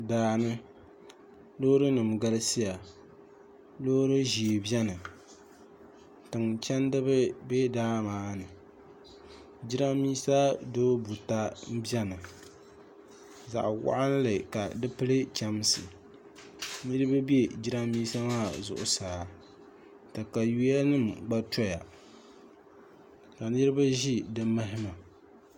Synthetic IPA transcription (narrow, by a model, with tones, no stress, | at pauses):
daː˨nɨ˦ | loː˦ɾɨ˦nɨ˨mɡa˦lɨ˦si˦ja˨ | lo˦ɾɨ˦ʒi˨e˨bjɛ˦nɨ˨ | tɨ˨ŋt͡ʃɛ˦ndɨ˦βɨ˦be˦daː˦maː˦nɨ˨ | d͡ʒi˦ɾa˦miː˦sa˦doː˦bu˨ta˦m̩˦bjɛ˦nɨ˨ | za̰˨ʔwa̰˦ʔa˦n˦lɨ˨ka˨dɨ˦pɨ˦lɨ˦t͡ʃa˦m˦sɨ˨ | nɨ˦ɾɨ˦ba˦bi˦e˦d͡ʒi˦ɾa˦miː˦sa˦maː˦˨zʊ̰˨ʔʊ̰˨saː˨ | tɨ˨ka˨ju˦a˦nɨ˦mɡ͡ba˦tɔ˦ja˨ | ka˨nɨ˦ɾɨ˦ba˦ʒi˦dɨ˦ma˦ɦɪ˦ma˨